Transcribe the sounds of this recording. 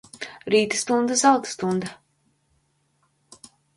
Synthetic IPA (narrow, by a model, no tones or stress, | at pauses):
ɾiːt̪ɨ̥st̪und̪azawt̪st̪und̪a